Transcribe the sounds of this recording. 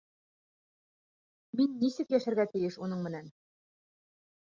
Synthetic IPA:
minːisɘkjæʃæ̆ɾɡæt̪ɘ̆jɘʃunɤɴmɘ̆næn

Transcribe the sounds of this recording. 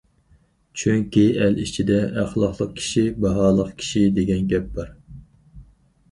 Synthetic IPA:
t͡ʃʰyŋkʲiɛlit͡ʃʰid̪ɛæχlˠɑχlˠəq̚kʲʰi̥ʃibɑɦɑːlˠəqkʲʰi̥ʃid̪eɡʲɛnɡʲɛp̚b̥ɑɾ

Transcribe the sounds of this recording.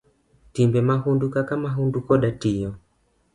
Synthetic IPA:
timbɛmaɦundukakamaɦundukɔɗatiɔ

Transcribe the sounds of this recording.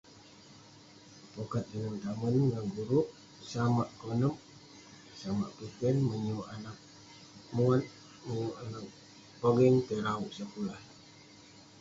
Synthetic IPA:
pokat̪̚əŋənt̪amənŋaɡuɾuʔ | samaʔkonəm | sama̰ʔpikɛnməɲuʔanak̚ | muat̪̚ | məɲuʔanak̚ | poɡɛŋt̪əɾauʔsəpulah

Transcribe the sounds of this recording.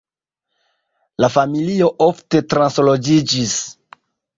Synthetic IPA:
lafamilio̞ʔofte̞tɾanslod͡ʒid͡ʒis

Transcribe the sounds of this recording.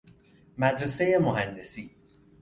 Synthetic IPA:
mæd̪ɾese̞jemoɦænd̪e̞siː

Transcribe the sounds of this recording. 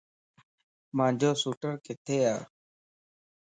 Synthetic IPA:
mãːd͡ʒʱoːsuːʈəɾkɪt̪ʰeːaː

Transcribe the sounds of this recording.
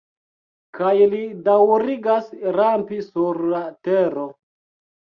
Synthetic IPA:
kajlidawɾiɡasɾampisuɾlateɾo

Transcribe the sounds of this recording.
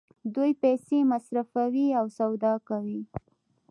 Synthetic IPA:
d̪ujpɛsemasɾafawiawsawd̪ɑkawi

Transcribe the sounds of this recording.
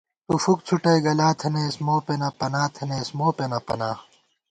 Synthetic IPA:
t̪ufuk̚t͡sʰuʈɐiɡɐlaːt̪ʰenesmoːpenɐpɐnaːt̪ʰeneːsmoːpenɐpɐ̰naː

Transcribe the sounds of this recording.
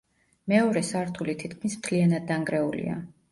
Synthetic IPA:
mɛɔɾɛsaɾt̪ʰulit̪ʰit̪̚kʰmismt̪ʰlianad̪ːaŋɡɾɛulḭa̰

